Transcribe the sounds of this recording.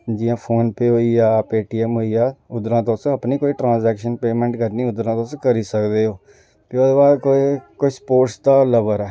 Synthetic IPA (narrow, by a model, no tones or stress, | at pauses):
d͡ʒiːãːpʰoːnpeːɦoːiːaːpeːʈiːɛmɦoːiːaːʊd̪ɾãːt̪õsəpniːkoːiːʈɾãːnzɛːkʃənpeːmɛ̃ːɳʈkəɾniːʊd̪ɾãːt̪oskəɾiːsəkd̪eːoː | pɪoːd̪baːdkoikoːispoːʈsd̪aːləʋəɾɛː